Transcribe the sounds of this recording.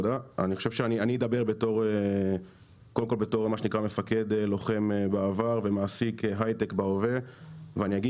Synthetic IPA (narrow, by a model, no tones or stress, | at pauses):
d̪aaniχoʃevʃeanianiid̪abe̞ʁbe̞to̞ʁe | kod̪emkolbeto̞ʁmaʃenikʁame̞fake̞d̪elo̞χe̞mbaavaʁvemaːsikɦajt̪ekbaoveveanijaɡi